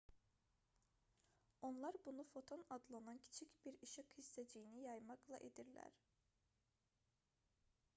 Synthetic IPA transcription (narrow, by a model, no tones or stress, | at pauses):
o̞nlˠɑɾbunufo̞t̪ʰo̞nɑd̪lˠanɑncʰi̥t͡ʃʰicbiɾiʃiqhist̪ʰed͡ʒijinijɑjmɑklˠɑ̰ʔed̪iɾlʲæ̰ɾ̥